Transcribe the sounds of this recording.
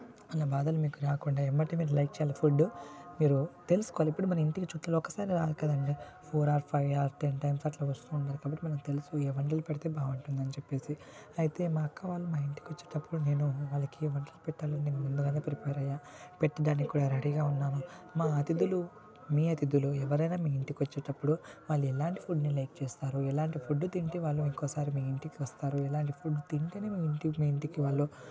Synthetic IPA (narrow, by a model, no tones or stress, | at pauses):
ɐnːɐbaːd̪ɐlumiːkuɾaːkuɳɖaːemːɐʈːimiːɾulɐjk̚t͡ʃɛːjaːlɐpʰuɖmiːɾut̪e̞lusu̥kɔaliepːuɽumɐnɐmiɳʈikit͡ʃuʈːlɐlɔkːɐsaːɾiɾaːlikɐd̪ɐɳɖi | pʰoːɾaːɾpʰɐjʋaːɾʈenʈɐjmsaːʈloːʋɐst̪uːɳʈaːɾukaːbɐʈːimɐnɐmt̪elusueːʋɐɳʈɐlupɛɽit̪e̞ːbaːʋuɳʈund̪ɐnit͡ʃepːe̞ːsi | ɐjit̪e̞ːmaːkːɐʋaːlːumaːiɳʈikiʋɐt͡ʃːeːʈɐpːuɽune̞ːnuʋaːɭːɐkiʋɐɳʈɐlupɛʈːaːlɐnineːnumund̪ukɐnt̪eːpɾipeːɾɐjːaː | peʈːɐd̪aːnːikikuːɽaːɾɐɽiɡaːunːaːnu | maːɐt̪id̪ulu | miːɐt̪id̪uluɛʋɐɾɐjnaːmiːiɳʈikiʋɐt͡ʃːeːʈɐpːuɽuʋaːɭːuɛlaːɳʈi̥pʰuɖnilɐjk̚t͡ʃeːst̪aːɾuɛlaːɳʈipʰuɖːut̪iɳʈiʋaːɭːuiŋkɔːsaːɾimiːiɳʈikiʋɐst̪aːɾuɛlaːɳʈipʰuɖːut̪iɳʈɐneːmiːiɳʈimiːiɳʈikiʋaːɭːu